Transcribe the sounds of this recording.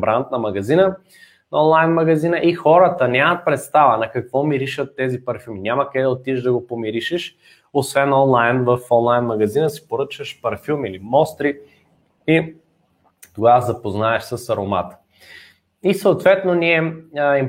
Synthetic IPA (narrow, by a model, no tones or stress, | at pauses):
bɾant̪nɐmɐɡɐzinə | nɔnlˠajnmɐɡɐzinəʔixɔɾət̪ənʲamɐt̪̚pɾɛt̪st̪avənɐkɐkvɔmiɾiʃət̪ːɛzipɐɾfʲilˠminʲamɐkɛd̪ɐot̪iʒd̪ɐɡopomiɾiʃɛʃ | osvɛnɔnlˠajnvɐfɔnlˠajnmɐɡɐzinəsi̥poɾɤt͡ʃvəʃpɐɾfilˠmilimɔst̪ɾi | i | t̪oɡazɐpoznaɛʃsəsɐɾoma̰t̪ə̥ | isəot̪vɛt̪noniɛim